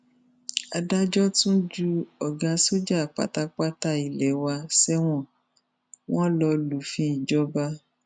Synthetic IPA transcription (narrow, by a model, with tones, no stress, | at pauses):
a̰˧da˦d͡ʒɔ˦tũ˦d͡ʒu˦ɔ˨ɡa˨˧so˦d͡ʒa˦˨k͡pa̰˨˦ta˧k͡pa˦ta˧i˨lɛ˨˦wa˧sɛ˦w̃ɔ̃˦˨ | w̃ɔ̃˦lɔ˧lu˨˦fĩ˦i˨d͡ʒɔ˦ba˦